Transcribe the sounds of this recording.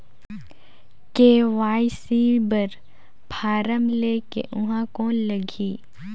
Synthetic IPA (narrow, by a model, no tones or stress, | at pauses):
keːʋaːisiːbəɾ | bʱaːɾəmleːkḛʔʊɦãkɔːnləɡʱiː